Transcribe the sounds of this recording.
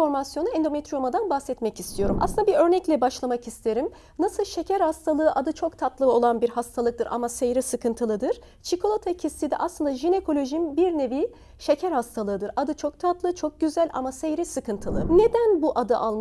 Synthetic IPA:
o̞ɾmasjo̞nuɛnd̪o̞met̪ɾijomad̪anbaxsɛt̪mɛcist̪ʰijo̞ɾumʔa̰sɯnd̪abiɾø̞ɾnɛclʲɛbaʃlˠamakist̪ʰe̞ɾim | nasɯlˠʃe̞cʰæɾhast̪ʰalˠɯːʔad̪ɯt͡ʃʰo̞kt̪ʰat̪lˠɯo̞lˠanbiɾhast̪ʰalˠɯk̚t̪ɯɾa̰masejɾisɯkɯnt̪ʰɯlˠɯd̪ɯɾ̥ | t͡ʃʰikʰo̞lˠot̪ʰacʰist̪ʰid̪ɛʔaslˠɯnd̪aʒine̞kʰo̞lʲo̞ʒinbiɾne̞vi | ʃe̞cʰæɾhast̪ʰalˠɯːd̪ɯɾad̪ɯt͡ʃʰo̞k̚t̪ʰat̪lˠɯt͡ʃʰo̞k̚ɟyzælʲa̰masejɾisɯkɯnt̪ʰɯlˠɯne̞d̪ænbuʔad̪ɯʔalˠm

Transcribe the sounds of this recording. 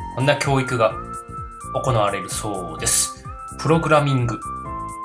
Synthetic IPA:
sõ̞nːakʲo̞ːikɯ̟ɡa | o̞ko̞naβaɾe̞ɾɯ̟so̞ːd̪e̞sɨ̥ | pɯ̟ɾo̞ɡɯ̟ɾamʲĩŋɡɯ̟

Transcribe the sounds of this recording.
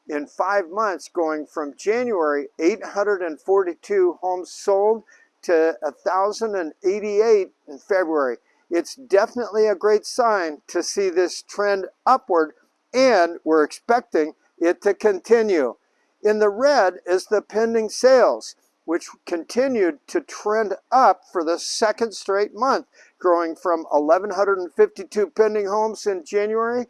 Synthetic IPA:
ɨ̃nfaɪvmʌ̃nθsɡ̥oʊɪ̃ŋfɹʌ̃md͡ʒæ̃njʉɛɹieɪt̚hʌ̃ndɹəɾɨ̃nfɔɹɾitʰʉhõʊ̃mz̥soʊlˠd̚ | tʰɨəθaʊzə̃ndɨ̃neɪɾieɪɾ̃n̩fɛbɹuɛɹi | ɨtsd̥ɛfənətˡliɨɡɹeɪtsãɪ̃ntʰɨsiðɪstʰɹ̥ɛ̃ndʌpwə˞ɾ | ɨ̃nwɪɹɨkspɛk̚tɪ̃ŋ | ɪtʰɨkʰɨ̃ntʰɪ̃njʉ | ɨ̃nðəɹɛɾɪzðɨpʰɛ̃ndɪ̃ŋseɪlˠz̥ | wɨt͡ʃkʰɨ̃ntʰɪ̃njʉd̚tʰɨtʰɹ̥ɛ̃ndʌpfə˞ðɨsɛkɨ̃nd̥stɹ̥eɪt̚mʌ̃nθ | ɡ̥ɹoʊɪ̃ŋfɹʌ̃mɪ̰lɛvə̃nhʌ̃ndɹəɾn̩fɪftitʰʉpʰɛ̃ndɪ̃ŋhõʊ̃msɪ̃nsd̥ʒ̥æ̃njʉɛɹi

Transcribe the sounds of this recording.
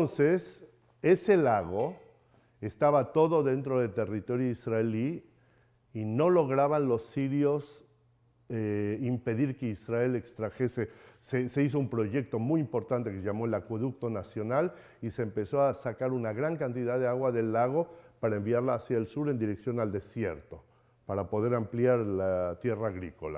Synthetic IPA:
onse̞s | ese̞laɣ̞o | e̞st̪aβat̪o̞ðo̞ðe̞nt̪ɾo̞ðe̞t̪e̞rit̪o̞ɾjoisraeliː | no̞lo̞ɣɾaβanlosːiɾjo̞s | eimpe̞ðiɾke̞israe̞le̞kst̪ɾaxe̞se̞sese̞is̬o̞umpɾo̞ʝe̞k̚t̪o̞mujimpo̞ɾt̪ant̪ekeʝamoelakwoðukt̪o̞nasjo̞nal | iseːmpe̞so̞asakaɾunaɣɾaŋkant̪iðaðeaɣwaðe̞lːaɣ̞o̞paɾaembiaɾlaːsjaelsuɾe̞nd̪iɾeksjo̞nald̪e̞sje̞ɾt̪o̞ | paɾapo̞ð̞e̞ɾampljaɾlat̪je̞raːɣɾiko̞la̰

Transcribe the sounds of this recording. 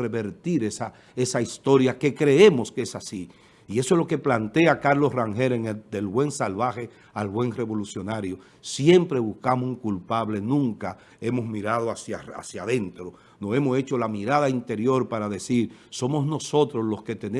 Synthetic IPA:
re̞βe̞ɾt̪iɾe̞sa | e̞saist̪o̞ɾjake̞kɾe̞e̞mo̞skeesasiː | e̞soeloke̞plant̪e̞akaɾlo̞sraŋhe̞ɾeŋed̪e̞lβwe̞ŋsalβaxe̞ | alβwe̞ŋre̞βo̞lusjo̞naɾjo | sje̞mpɾe̞βuskamosuŋkulpaβle̞nũŋka | e̞mo̞zmiɾað̞oasja̰a̰sjaðe̞nt̪ɾo | nose̞mose̞t͡ʃo̞lamiɾað̞aint̪e̞ɾjo̞ɾpaɾaðe̞siɾso̞mo̞zno̞so̞t̪ɾoslo̞ske̞t̪ene

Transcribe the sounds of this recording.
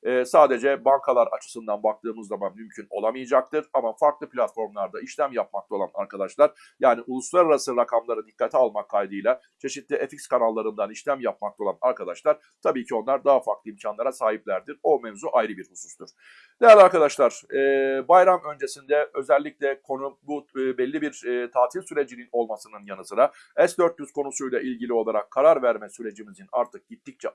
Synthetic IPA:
ɛːsaːd̪e̞d͡ʒɛbankʰalˠaɾa̰t͡ʃʰɯ̥sɯnd̪anbak̚t̪ʰɯːmɯzamanmymcʰyno̞lˠamɯjɯd͡ʒak̚t̪ɯɾamafaɾklˠɯpʰlʲat̪fo̞ɾmlˠaɾd̪aiʃlʲæmjap̚makt̪ʰao̞lˠa̰na̰ɾkʰad̪aʃlˠaɾ̥ | jaːniʔulˠuslˠaɾaɾasɯɾakʰamlˠaɾɯd̪ikːat̪ʰialˠmakʰːajd̪ɯjlˠa | t͡ʃʰe̞ʃit̪lʲiʔefikskanalˠːaɾɯnd̪aniʃlʲæmjap̚makt̪ʰolˠa̰naɾkad̪aʃlˠaɾ̥ | t̪ʰabiːcʰio̞nlˠaɾd̪aɦafaɾklˠɯimcʰanlˠaɾasaːɦip̚lʲæɾd̪iɾo̞mɛvzuʔajɾɯbiɾhusu̥st̪uɾ̥ | d̪̥ejælʲaɾkad̪aʃlˠaɾ̥ɛːbajɾamø̞nd͡ʒe̞sind̪ɛø̞zɛlʲːiclʲɛkʰo̞nububɛlʲːibiɾːt̪ʰaːt̪ʰilʲsyɾe̞d͡ʒinino̞lˠmasɯnɯnjanɯsɯɾa | ɛsd̪ø̞ɾt̪̚dyskʰo̞nusujlʲˠɛʔilʲɟilʲio̞lˠaɾakʰːaɾaɾvæɾmɛsyɾe̞d͡ʒimizina̰ɾt̪ʰɯk̚ɟit̪ːic̚t͡ʃʰɛ

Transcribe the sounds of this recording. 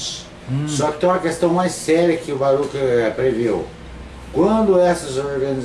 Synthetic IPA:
s | sɔkɪ̥t̪õɐkest̪ɐ̃w̃majssɛɾɐkɪʊbaɾukɪpɾevew | kwɐ̃nd̪ʊɛsɐzoɾɡɐniz

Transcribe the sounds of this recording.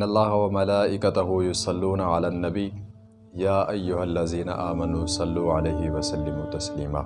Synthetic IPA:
nːɐlˤːaːhɐwɐmɐlaːʔɪkɐt̪ɐɦʊjʊsˤɑlːuːnaʕalaːnːɐbij | jaːʔɐjːʊhalːɐziːnɐ̰ʔaːmɐnuːsɑlːuːʕalɐjhɪwɐsɐlːɪmuːt̪ɐsliːma̰ː

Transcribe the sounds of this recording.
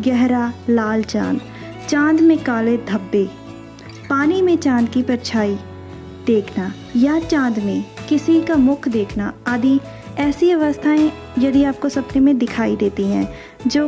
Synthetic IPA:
ɡɛɦɾalaːlt͡ʃa̰ːn | t͡ʃãːnd̪mẽkaːled̪ʱɐbːeː | paːnimẽt͡ʃãːnd̪kipɐɾt͡ʃʰaːi | d̪eːkʰna | jat͡ʃãːnd̪mẽkɪsikamʊkʰd̪eːkʰnaaːd̪i | ɛːsiɐʋəst̪ʰaẽ | jɐd̪iaːp̚kosɐpnemẽd̪ɪkʰaːid̪eːt̪iɦɛ̃ː | d͡ʒoː

